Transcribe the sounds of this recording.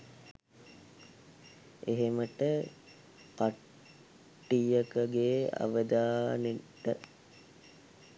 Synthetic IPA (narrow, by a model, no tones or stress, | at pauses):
eɦeməʈə | ka | ʈːijəkəɡeːa̰ʋəd̪aːneʈːə